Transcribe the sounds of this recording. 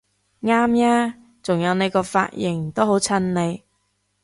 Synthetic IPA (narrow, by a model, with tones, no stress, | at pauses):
ŋaː˥mjaː˥ | t͡sʊ˨˩ŋjɐ˨˧wne˨˧jkɔː˧fa̰ː˧t̚jɪ˨˩ŋt̪o˥wɦo˨˥wt͡sʰɐ˥nne˨˧j